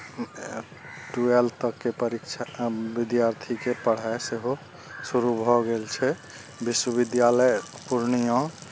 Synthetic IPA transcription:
ʈuelt̪əkːepəɾikt͡ʃʰabid̪jaɾt̪ʰikepəɽ̤aeseɦo | suɾubʱɔɡelt͡ʃʰɛ | biswəbid̪jaləjpuɾnijɔ̃

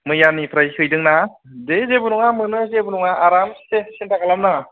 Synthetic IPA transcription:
mɯjanipʰɾajkʰɯjdɯŋna | dezebɯnuŋamɯnɯzebunuŋaaɾamssesintakalamnaŋa

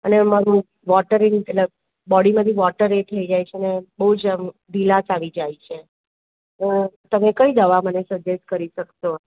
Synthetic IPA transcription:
ənemaɾũ | ʋɔʈəɾɪ̃ŋɡetləɡ̚ | bɔɽimə̃t̪ʰiʋɔʈəɾet̪ʰəid͡ʒajt͡ʃʰenebəɦud͡ʒd̪ʱilat͡ʃaʋid͡ʒajt͡ʃʰe | ot̪əmekəid̪əʋamənesəd͡ʒesʈ̚kəɾiʃəkʃo

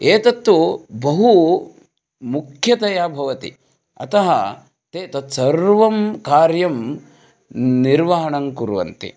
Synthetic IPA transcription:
eːt̪ɐt̪ːubɐɦu | mukʰjɐt̪ɐjaːbʱɐʋɐt̪ḭ | ɐ̰t̪ɐɦɐ | t̪eːt̪ɐt̪sɐɾʋɐmkaːɾjɐm | niɾʋɐɦɐɳɐŋkuɾʋɐ̰nt̪ḭ

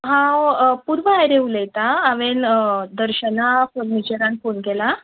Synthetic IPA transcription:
ɦãpuɾʋəajɾeulejt̪aːʋend̪əɾɕənafəɾnit͡ɕəɾankonɡɛla

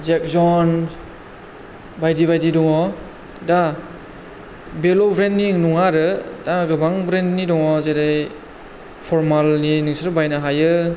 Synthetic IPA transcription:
zek̚zɔn | bajdibajdidɔŋɔ | da | belobɾendːinɔŋaɾɯdaɡɯbaŋbɾendnidɔŋɔzedaj | pʰɔɾmalninɯŋsɾɯbajnaɦajɯ

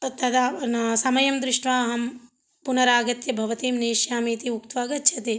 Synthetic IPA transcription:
t̪ɐd̪aːnsɐmɐjɐmd̪ɾɪʂʈʋaːɦɐm | punɐɾaːɡɐt̪jɐbʱɐʋɐt̪iːmneːʃjaːmiːt̪iukt̪ʋaːɡɐt̪ːt͡ʃʰɐt̪e

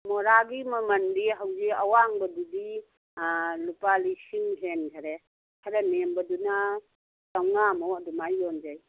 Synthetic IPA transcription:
mɔɾaɡimɐmɐndiɦawziawaŋbɐdudi | lupalisiŋɦenkʰaɾe | hʰaɾanembɐduna | tawnamɔɐdumajːɔnd͡ʒaj

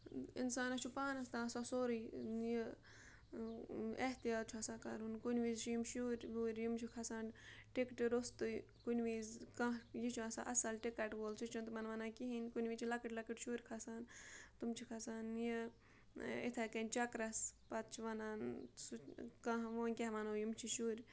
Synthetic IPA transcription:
ḭnsaːnɐt͡ʃʰupaːnɐst̪ãːsasoːɾiji | eht̪ijaːt̪t͡ʃʰuɐsaːkɐɾunkunʲʋiːzt͡ʃʰijimʃuːɾʲʋuːɾʲjimt͡ʃʰukʰɐsaːnʈikʈiɾost̪ɨ | kunʋiːzkãɦjit͡ʃʰuãsa̰ʔɐsɐlʈikɐʈʋoːlsʰut͡ʃʰunt̪mɐnʋɐnaːkiɦinkunʲʋit͡ʃʰilɐkɨʈlɐkiʈʃuːɾʲkʰɐsaːnt̪umt͡ʃʰikʰɐsaːnji | et̪ʰɐkɐnʲt͡ʃɐkɾɐspɐt̪̚t͡ʃʰiʋɐnaːnsukãɦʋoːnʲkʲeɦʋɐnoːjumt͡ʃʰiʃuːɾʲ

